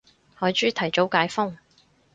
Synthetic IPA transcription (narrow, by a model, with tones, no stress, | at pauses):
hɔː˨˧jt͡ʃyː˥t̪ʰɐ˨˩jt͡so˨˥wkaː˨˧˥jfʊ˥ŋ